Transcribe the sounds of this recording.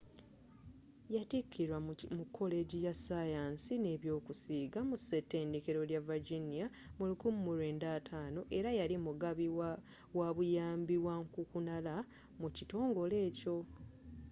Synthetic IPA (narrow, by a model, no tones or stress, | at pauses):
jatekʰːiɾwamukʰːo̞le̞ɟijasajaːnsine̞ːβjo̞ːkusiːɡamuse̞tːe̞ːndekeɾo̞ljavaɾɟinija | mulukumumuɾe̞ːndaːtʰaːno̞ʔe̞ɾajalimuɡaβi | waβujaːmbiwaŋkukunala | mucito̞ːŋɡo̞le̞ːco̞